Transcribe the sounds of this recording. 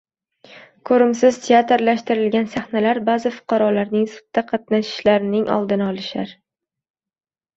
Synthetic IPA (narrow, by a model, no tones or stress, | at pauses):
kʰɵɾɪmsɪzt̪ʰeat̪ɾlaʃt̪ɪɾɪlɡʲansaχnalaɾbazɪfʊ̥qʰɑɾɒlaɾnɪŋsʊ̥t̪ːaqʰɑt̪naʃɪ̥ʃlaɾɪnɪŋʔɒ̰lˠd̪ɪnɪɒlˠɪʃaɾ